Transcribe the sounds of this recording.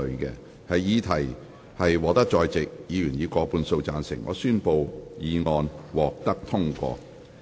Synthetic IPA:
ɵ˨˧kɛ̰ː˧ | hɐ˨jjiː˨˧t̪ʰɐ˨˩j | hɐ˨jwɔː˨˧t̪ɐ˥k̚t͡ʃɔː˧jt͡sɪ˨k̚jiː˨˧jyː˨˩njiː˨˧kɔː˧puː˧nso˧wt͡saː˧nsɪ˨˩ŋʔɔ̰ː˨˧syː˥npo˧wjiː˨˧ŋɔː˧nwɔː˨k̚t̪ɐ˥k̚t̪ʰʊ˥ŋkʷɔ̰ː˧

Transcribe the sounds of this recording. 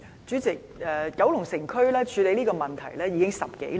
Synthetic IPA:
t͡ʃy˨˥t͡sɪ˨˩k̚ɛː˨kɐ˨˥wlʊ˨˩ŋsɪ˨˩ŋkʰɵ˥lɛː˥t͡ʃʰyː˨˧le˨˧˥jliː˥kɔː˧mɐ˨˩nt̪ʰɐ˨˩jlɛː˥ji˨˧kɪ˥ŋsɐ˨p̚kḛ˨˥j

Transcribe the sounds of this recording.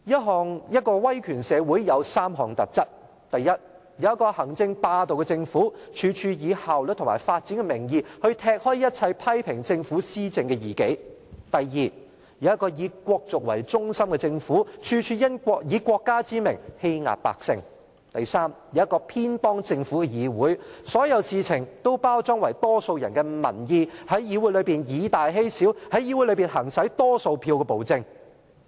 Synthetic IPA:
jɐ˥t̚ɦɔː˨ŋjɐ˥t̚kɔː˧wɐ˥jkʰyː˨˩nsɛː˨˧wu˨˥jjɐ˨˧wsaː˥mɦɔː˨˩ŋt̪ɐ˨t̚t͡sɐ˥t̚ | t̪ɐ˨jːɐ˥t̚ | jɐ˨˧wjɐ˥tkɔː˧hɐ˨˩ŋt͡sɪ˧ŋpaː˧t̪o˨wkɛ˧t͡sɪ˧ŋfuː˨˥t͡ʃʰyː˨˧t͡ʃʰyː˧jiː˨˧haː˨wlə˨t̪ʰŋmaː˨˩jfaː˧t̚t͡siː˨˥nŋkɛ˧mɪ˨˩ŋjiː˧hɵ˧ɥt̪ʰɛː˧k̚hɔː˥jjɐ˥t̚t͡sʰɐ˧jpʰɐ˥jpʰɪ˨˩ŋt͡sɪ˧ŋfuː˨˥siː˥t͡sɪ˧ŋkɛː˧jiː˨˩ke˨˥jt̪ɐ˨jːiː˨ | jɐ˨˧wjɐ˥t̚kɔː˧jiː˨˧kʷɔː˧k̚t͡sʊ˨k̚wɐ̰˨˩jt͡sʊ˥ŋsɐ˥mkɛ˧t͡sɪ˧ŋfuː˨˥t͡ʃʰyː˧t͡ʃʰyː˧jɐ˥nkʷɔː˧k̚jiː˨˧kʷɔː˧kːaː˥t͡siː˥mɪ˨˩ŋhe˥jŋa̰ː˨p̚pa̰ː˨k̚sɪ̰˧ŋ | t̪ɐ˨jsaː˥mji˨˥jɐ˥t̚kɔː˧pʰiː˥npɔː˥ŋt͡sɪ˧ŋfu˨˥kɛ˧jiː˨˧wuː˨˥jsɔː˨˥jɐ˨˧wsiː˨t͡sʰɪ˨˩ŋt̪o˥wpaː˥wt͡sɔː˥ŋwɐ˨˩jt̪ɔː˥so˧wjɐ̰˨˩nkɛ˧mɐ̰˨˩njiː˧hɐ˨˥jjiː˨˧wu˨˥jlɵ˨˧jpiː˨njiː˨˧t̪aː˨jɦe˥jsiː˨˥whɐ˨˥jiː˨˧wu˨˥jlɵ˨˧piː˨˩nɦɐ˨˩ŋsɐ˨˥jt̪ɔː˥so˧wpʰiː˧wkɛ˧po˨˩wt͡sɪ˧ŋ

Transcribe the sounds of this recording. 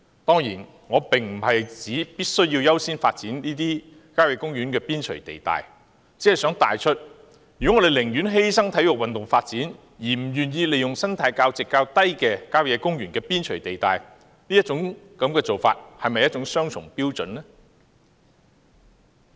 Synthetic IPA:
t̪ɔː˥ŋjiː˨˩n | ŋɔː˨˧pɪ˨ŋm̩˨˩ɦɐ˨jt͡siː˨˥piː˥t̚sɵ˥ɥjiː˧wjɐ˥wsiː˥nfaː˧t̚t͡siː˨˥nniː˥t̪iː˥ | kaː˥wjɛː˨˧˥kʊ˥ŋjyː˨˥nkɛː˧piː˥nt͡ʃʰɵ˨˩ɥt̪e˨jt̪a̰ː˨j | t͡siː˨˥hɐ˨jsœː˨˥ŋt̪aː˨jt͡ʃʰɵ˥t̚ | jyː˨˩ɔ˨˥ŋɔː˨˧ɾe˨jlɪ˨˩ŋjyː˨˥nɦe˥jsɐ˥ŋt̪ʰɐ˨˥jʊ˨k̚wɐ˨nt̪ʊ˨ŋfaː˧t̚t͡siː˨˥n | jiː˨˩m̩˨˩jyː˨˩njiː˧le˨jʊ˨ŋsɐ˥ŋt̪ʰaː˨˥jkaː˧wt͡sɪ˨kːaː˧wt̪ɐ˥jkɛː˧kaː˥wjɛː˨˧kʊ˥ŋjyː˨˩nkɛː˧piː˥nt͡ʃʰɵ˨˩ɥt̪e˨jt̪a̰ː˨j | niː˥ɐ˥t͡sʊ˨˧˥ŋkɐ˨˧mkɛː˧t͡so˨wfa̰ː˧t̚hɐ˨jmɐ˨jɐ˥t̚t͡sʊ˨˥ŋsœː˥ŋt͡sʰʊ˨˩ŋpiː˥wt͡sɵ˨nnɛ˥

